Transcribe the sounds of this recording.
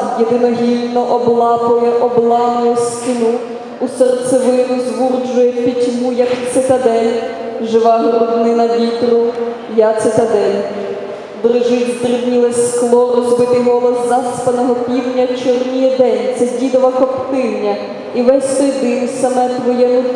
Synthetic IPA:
jed̪ɪnɔɦilʲnɔʔɔblˠɑpʊjɛʔɔblˠɑmʊjɛskɪnuː | sɛrt̪sɛʋɪlɪd̪ʊzʋurd͡ʒʊjɛpʲitʲmujɐkt̪sɪt̪ɐd̪ɛnʲʒɪʋɑɦɾɔd̪nɪnɐʋʲit̪ɾʊ | jat̪sɛt̪ɐd̪ɛnʲ | b̪ɾɪʒɪwzd̪rɪbnʲilˠɛsʲklˠɔrɔzbɪt̪ɪɦɔlˠɔzzɑspɐnɔɦɔpʲiwnʲːɐt͡ʃʊrnʲijɛd̪ɛnʲt̪sɛdʲid̪ɔʋɐkɔpt̪ɪwnʲɐ | iʋɛsʲt̪ɔjd̪ɪnsɐmɛt̪ʋɔjɛmu

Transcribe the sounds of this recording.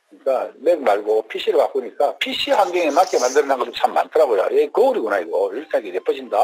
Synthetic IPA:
ɲik͈ame̞k̚maɭɡopʰiɕ͈ʰiɾɯɭkak͈uɲik͈apʰiɕ͈ʰiɸaŋɡeŋemak͈emandɯɾɯnaŋɡʌtomt͡ɕʰamːa̰ntʰɯɾaɡojo̰jekʌuɾiɡonaiɡʌiɭs͈ʰaɡenep͈ʰʌɕʰinda

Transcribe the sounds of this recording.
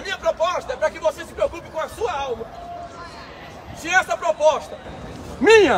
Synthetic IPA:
mĩɲɐpɾopɔʃt̪ɐɛpɾɐkɪvosesɪ̥pɾeokupɪkõɐsuɐawmɐ | siɛsɐpɾopɔst̪ɐ | mĩɲɐ

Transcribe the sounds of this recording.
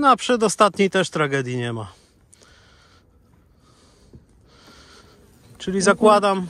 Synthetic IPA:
nɔapʂɛd̪ɔst̪at̪ɲejt̪ɛʂt̪ɾaɡɛd̪ʲjiɲɛma̰ | t͡ʂɘlʲizakwad̪am

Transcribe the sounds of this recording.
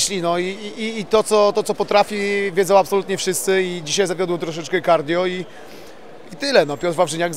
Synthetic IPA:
ɕlʲinɔiiːt̪ɔt̪sɔt̪ɔt̪sɔpɔt̪ɾafʲivʲjɛzɔ̃wapsɔlut̪ɲɛfʂɘst̪sɘid͡ʑiɕajzavʲjɔd̪wt̪ɾɔʂ̬ɛt͡ʂkɛkaɾd̪ʲjɔi | it̪ɘlɛnɔpʲjɔt̪ɾvavʐɘɲaɡ

